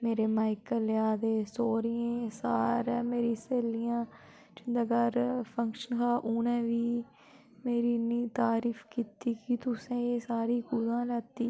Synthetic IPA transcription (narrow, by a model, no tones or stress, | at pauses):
meːɾeːmaːɪkəlːjaːd̪eːsoːɾijẽːsaːɾːmeːɾiːseːlijãː | t͡ʃɪnd̪aːɡaɾpʰəŋkʃənkaːʔuːnɛ̃ːʋiː | meːɾiːniːt̪aːɾiːfkiːt̪iːkɪt̪ʊsẽːeːsaːɾiːkʊd̪ãːlɛːt̪iː